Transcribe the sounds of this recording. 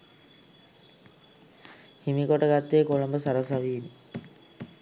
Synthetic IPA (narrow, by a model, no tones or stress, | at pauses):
himikoʈəɡat̪ːeːkolombəsɐɾɐsɐʋiːn